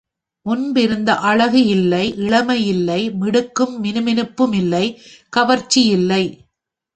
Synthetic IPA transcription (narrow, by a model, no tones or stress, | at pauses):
mʊnbɪɾɯnd̪ɐʔɐɻɐɣɯɪlːɐɪʔɪɭɐmɐjɪlːɐɪmɪɽɯkːɯmːɪnɯmɪnɯpːɯmɪlːɐɪkɐʋɐɾt͡ʃːijɪlːɐɪ